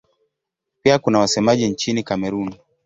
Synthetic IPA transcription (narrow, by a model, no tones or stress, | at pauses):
piakunawasɛmaʄint͡ʃinikamɛɾuni